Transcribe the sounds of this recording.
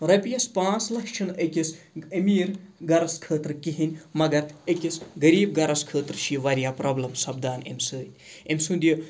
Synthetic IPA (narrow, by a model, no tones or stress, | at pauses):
ɾɐpijɐspãːt͡slɐkt͡ʃʰɐnekis | ɐmiːɾɡɐɾɐskʰəːt̪ɾkiɦinʲmɐɡɐɾekʲisɡɐɾiːb̚ɡɐɾɐskʰəːt̪ɾʃiʋɐɾijaːpɾɐːblɐmsɐbd̪aːnḛmʲsɨːnʲemʲsũnd̪ijə